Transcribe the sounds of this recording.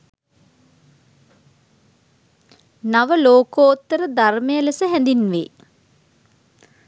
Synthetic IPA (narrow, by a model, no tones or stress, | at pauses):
naʋəloːkoːt̪ːəɾəd̪armejəlesəɦɛnd̪inʋḛ